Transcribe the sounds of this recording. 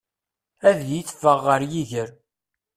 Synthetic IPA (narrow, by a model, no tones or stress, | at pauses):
æðjiθfəʁːəɾjiʝəɾ